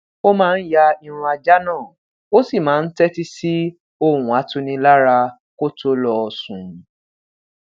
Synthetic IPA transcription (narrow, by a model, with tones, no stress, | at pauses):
o˦mãː˦˧n̩˦ja˧i˧ɾ̃ũ˧a˧d͡ʒa˦nãː˦˨ | o˦si˦˨mãː˨˦n̩˦tɛ˦ti˦si˦ | o˦˨ũ˨a˨˦tũ˦nĩ˧la˦ɾa˧ | ko˦to˦lɔ˧˨sũ˨